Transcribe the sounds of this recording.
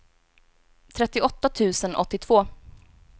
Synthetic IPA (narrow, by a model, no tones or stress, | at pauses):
t̪ʰɾɛt̪ːɪʔɔt̪ːat̪ʰʉ̟ːsənɔ̰t̪ːɪt̪ʰv̥oː